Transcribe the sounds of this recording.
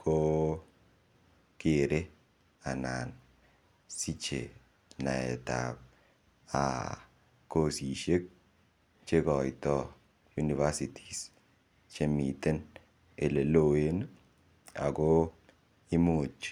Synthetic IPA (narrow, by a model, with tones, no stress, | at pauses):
kʰo˦ | ke˨ɾe˦ | a˨na˨n | si˦t͡ʃḛ˨ | na˨ɛ̰˨ta̰˨p̚ | a̰˨ | ko˦si˨ʃe˦k̚ | t͡ʃe˦kɔ˨jtɔ˦ | ju˦ni˨va˦si˨tʰi̥˨s | t͡ʃe˦mi˨te˦n | e˨le˨lo˦˨we˦n˦ | a̰˨ko˦ | i˦mu˨t͡ʃ